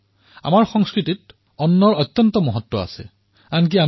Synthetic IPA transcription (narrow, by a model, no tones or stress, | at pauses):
a̰maɹxɔŋskɹitit̚ | ɔnːɔɹɔtːɔntɔmɔɦɔtːɔa̰sɛ̰ | ank̬ia